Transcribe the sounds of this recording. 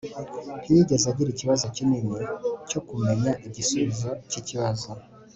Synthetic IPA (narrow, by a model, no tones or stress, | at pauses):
βijiɟe̞zaɟiɾiciβazo̞ciniːnico̞kume̞ɲaʔiɟisuβizo̞ciciβazo